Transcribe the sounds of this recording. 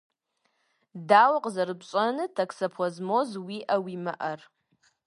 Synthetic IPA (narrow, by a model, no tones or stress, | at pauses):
dawaqʼzarɨbt͡ʃʷʼanɨtʰakʰsapʰazmo̞zwiʔawimaʔar